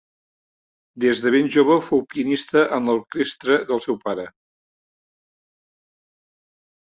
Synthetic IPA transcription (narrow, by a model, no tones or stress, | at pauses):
d̪ezðəβenʲʒoβ̞əfowpiənist̪əʔənləɾkest̪ɾəðəlˠsɛwpaɾə